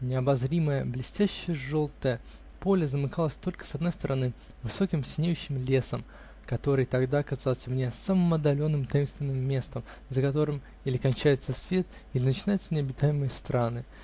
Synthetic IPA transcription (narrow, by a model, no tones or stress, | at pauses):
nʲɪɐbɐzɾʲiməjəblʲɪsʲtʲæɕːɪjəʐo̞lˠt̪əjə | po̞lʲəzəmɨkalˠəsʲt̪o̞lʲkə̥sɐd̪no̞jst̪əɾʔɐnɨ | vɨso̞kʲɪmsʲɪnʲejʉɕːɪmlʲe̞səm | kɐt̪o̞ɾɨjt̪ɐɡd̪akɐzalˠsʲəmnʲesamɨmɐd̪ɐlʲo̞nːɨmt̪ɐjimst̪vʲɪnːɨmːʲe̞st̪əm | zəkɐt̪o̞ɾɨm | ilʲɪkɐnʲt͡ɕæjɪt̪səsvʲe̞t̪̚ | ilʲɪnət͡ɕɪnajʊt̪sənʲɪɐbʲɪt̪ajɪmɨjəst̪ɾanɨ